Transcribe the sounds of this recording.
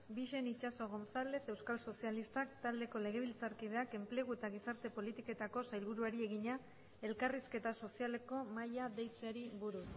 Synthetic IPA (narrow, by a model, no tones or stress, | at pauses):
biʃe̞nit͡ʃaso̞ɣ̞o̞nsale̞se̞wskalso̞sialist̪akt̪ald̪e̞ko̞le̞ɣ̞e̞β̞ilt͡saɾkið̞e̞ake̞mple̞ɣ̞ue̞t̪aɣ̞isaɾt̪e̞po̞lit̪ike̞t̪ako̞sajlβ̞uɾuaɾie̞ɣiɲa | e̞lkariske̞t̪aso̞siale̞ko̞majaðe̞jt͡seaɾiβuɾus